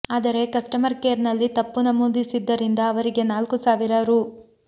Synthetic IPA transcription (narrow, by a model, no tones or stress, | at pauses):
aːd̪ɐɾe̞kɐsʈɐmɐɾkeːɾnɐlːit̪ɐpːunɐmuːd̪isid̪ːɐɾind̪ɐːʋɐɾiɡe̞naːlkusaːʋiɾɐɾuː